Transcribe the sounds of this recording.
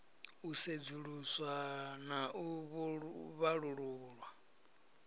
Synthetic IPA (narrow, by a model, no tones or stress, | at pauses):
used͡zuɺuswanaʔuβuβaɺuɺuɺwa